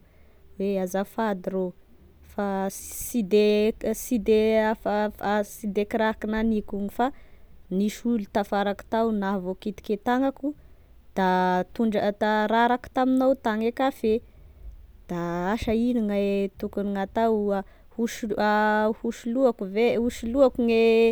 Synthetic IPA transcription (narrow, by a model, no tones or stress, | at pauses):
weazafad̪iɾo | fasid̪esid̪eafafasid̪ekiɾakinanikuŋifaniʃulut̪afaɾaku̥t̪awnavokit̪i̥ket̪aŋaku | d̪̥at̪uɳɖ͡ʐət̪aɾaɾaku̥t̪aminawt̪aŋekafe | d̪̥aaʃainiŋaet̪ukuniŋat̪awa | huʃahuʃiluakuvehuʃiluakuŋe